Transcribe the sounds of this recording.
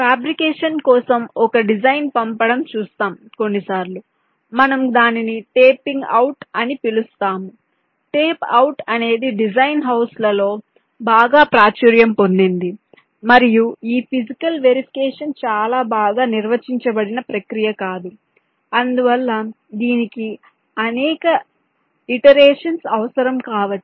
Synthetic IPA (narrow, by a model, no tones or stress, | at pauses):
paːbɾikɛːʂɐnkɔːsɐmɔkɐɖid͡ʒɐjnpɐmpɐɽɐmt͡ʃuːst̪aːmko̞nːisaːɾlu | mɐnɐmd̪aːniniʈeːpiŋɡɐwuʈɐnipilust̪aːmu | ʈeːpɐwuʈɐne̞ːd̪iɖid͡ʒɐjnɦɐwslɐlo̞ː | baːɡaːpɾaːt͡ʃuɾjɐmpo̞nd̪ind̪i | mɐɾijuiːpʰid͡ʒikɐlʋeɾipʰi̥kɛːʂɐnt͡ʃaːlaːbaːɡaːniɾʋɐt͡ʃiɲt͡ʃɐbɐɽinɐpɾɐkɾijɐkaːd̪u | ɐnd̪uʋɐlːɐ | d̪iːniki | ɐnɛːkɐ | iʈɐɾeːʂɐnsɐʋɐsɐɾɐmkaːʋɐʈːi̥